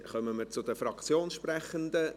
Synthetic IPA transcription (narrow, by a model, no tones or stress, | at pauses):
χœməməɾt͡sʊd̪əfɾɑkt͡sjoːnʃpɾɛχənd̪ə